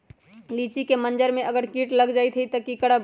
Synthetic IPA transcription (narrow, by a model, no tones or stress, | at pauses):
liːt͡ʃikemə̃nd͡ʒəɾmẽʔɐɡəɾkiːʈləɡd͡ʒaːit̪ʰiit̪əkikəɽa